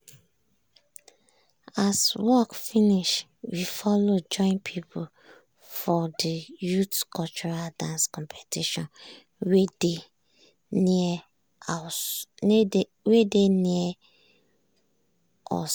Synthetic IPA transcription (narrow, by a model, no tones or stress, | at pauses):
aswɔkfiniʃ | wifɔlod͡ʒɔ̃ɪ̃npʰipʰʊl | fɔdijutkʰɔlt͡ʃuɹaldãnskɔ̃mpʰe̥tʰiʃɔ̃n | wed | wedeniɛ | ʔɔ̰